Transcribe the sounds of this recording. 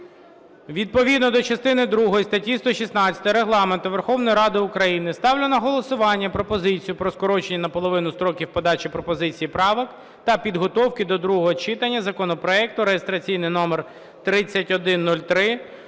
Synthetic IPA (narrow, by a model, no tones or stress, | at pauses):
ʋʲid̪̚pɔʋʲid̪nɔd̪ɔt͡ʃɐst̪ɪnɪd̪ɾuɦɔjist̪ɐtʲːist̪ɔʃʲisnɑt͡sʲɐ̥t̪ɐɾeɦlˠɑment̪ʊʋerxɔwnɔjiɾɑd̪ɪʊkɾɐjinɪst̪ɑwlʲɐnɐɦɔlˠɔsʊʋɑnʲːɐpɾɔpɔzɪt͡sʲijʊpɾɔskɔɾɔt͡ʃenʲːɐnɐpɔlˠɔʋɪnʊst̪ɾɔkʲiwpɔd̪ɑt͡ʃipɾɔpɔzɪt͡sʲijipɾɑʋɪk | t̪ɐpʲid̪ɦɔt̪ɔwkɪd̪ɔd̪ɾuɦɔɦɔt͡ʃɪt̪ɐnʲːɐzɐkɔnɔpɾɔɛk̚t̪ʊɾejest̪ɾɐt͡sʲijnɪjnɔmer | t̪ɾɪt͡sʲːɐtʲɔd̪ɪnːulʲt̪ɾɪ